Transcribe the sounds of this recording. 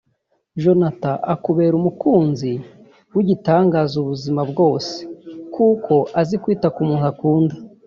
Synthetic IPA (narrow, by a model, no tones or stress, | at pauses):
ʒo̞nataʔakuβe̞ːɾumukuːnzi | wiɟitaːŋɡazuβuzimabɡo̞ːse̥kukʰo̞ʔazikwiːtakumuːnakuːndḁ